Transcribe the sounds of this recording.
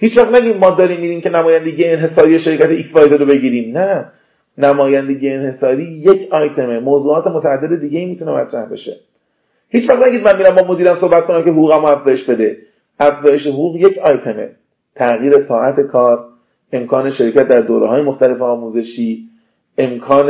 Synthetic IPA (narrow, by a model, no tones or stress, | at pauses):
hiːt͡ʃvæχt̪næɟiːd̪̚mɒːd̪ɒːɾiːmːiːd̪iːmcʰe̞næmɒːjænd̪e̞ɡiːjeːnɦe̞sɒːɾijeʃeɾiːcæt̪ʰeiksvɒjzeɾobe̞ɟiːɾiːmnæ | næmɒːjænd̪e̞ɡijeenhe̞sɒːɾiːjecʰɒːjt̪ʰe̞memoːzuːɒːt̪ʰe̞mot̪ʰææd̪ːe̞d̪e̞d̪iːɟe̞iːmiːt̪ʰune̞mæ̰t̪ʰɾæhbe̞̰ʃe | hiːt͡ʃvæχt̪næɡʲiːd̪mænmiːɾæmbɒːmo̞d̪iːɾæmso̞hbæt̪̚konæmce̞ɦoɣuːɣæmoæfzɒːjeʃbe̞d̪e̞ | ʔæfzɒːje̞ʃ̬eɦoɣuːɣje̞cʰɒjt̪ʰe̞me̞̰ | t̪ʰæɣiːɾe̞sɒːʔæt̪ʰe̞kʰɒːɾ | e̞mkʰɒːneʃeɾiːcʰæt̪̚d̪æɾd̪oːɾeɦɒːje̞moxt̪æle̞feɒːmuːze̞ʃiː | e̞mkʰɒːn